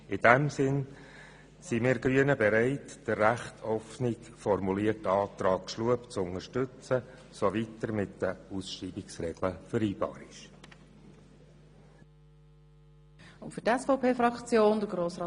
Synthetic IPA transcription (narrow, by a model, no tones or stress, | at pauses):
ɪd̥æmsɪn | simɪːɾɡɾyənəbɛɾæɪtd̥ərːæχtʰɔfnɪk | fɔrmuliətːɑːt̪ɾɑːkʃluəpt͡sʊŋəɾʃtʏt͡sə | soʋitːəɾmɪtdəusʃriːbɪksɾɛɡ̥ləfʏɾiːb̥ɑ̰ːɾɪ̰ʃ | ʊntfʏtɛsfoʊpʰeːfrɑkt͡sjoːnd̥əɡɾoːsrɑː